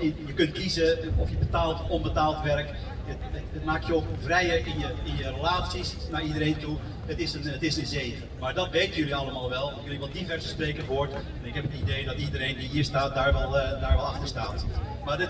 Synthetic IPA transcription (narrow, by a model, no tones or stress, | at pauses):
jəkɵntkizəɔfjəbətaːlˠtɔnbətaːlˠtʋɛrk | ə | ət̚maːk̚tjovrɛjərɪnjəɪnjərəlaːt͡sisnaridəɾeːntu | ətɪsənətɪsənzeːvəmaɹdɔtʋeːtəjøliɑlˠəmaːlˠʋɛlˠjøliʋɛlˠdivɛrsəspreːkəvoːɹt | ɛnɪkhɛpənideːdɔtidəɾeːndiɦiərstaːt̚daɹʋɛlˠdaːɹʋɛlˠɑxtərstaːt | madət